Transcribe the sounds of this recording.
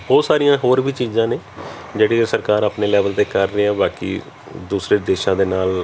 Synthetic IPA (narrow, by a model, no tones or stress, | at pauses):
bɔːt̪saːɾijãːɦoːɾbiːt͡ʃiːzãːneː | d͡ʒeːɽiːkesəɾkaːɾaːpneːlɛːʋəlt̪eːkəɾːeːɛːbaːkḭː | d̪uːsɾeːd̪eːʃãːd̪eːnaːl